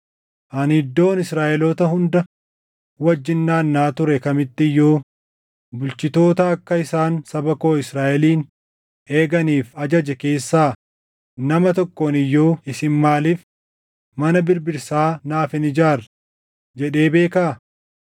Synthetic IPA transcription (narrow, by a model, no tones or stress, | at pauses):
ʔɐnhɪd̪ːo̞ːnɪsɾaːʔɛlɔt̪ɐɦʊnd̪ɐ | wɐd͡ʒːɪnːaːnːaːt̪ʊɾɛkɐmɪt̪ːɪjːoː | bʊlt͡ʃɪt̪o̞ːt̪ɐːkːɐɪsaːnsɐbɐko̞ːɪsɾaːʔɛliːn | e̞ːɡɐniːfɐd͡ʒɐd͡ʒɛke̞ːsːaː | nɐmɐt̪ɔkːoːnɪjːoːɪsɪnmaːliːf | mɐnɐbɪɾbɪɾsaːnaːfɪnɪd͡ʒaːɾ | d͡ʒɛᶑe̞ːbe̞ːkaː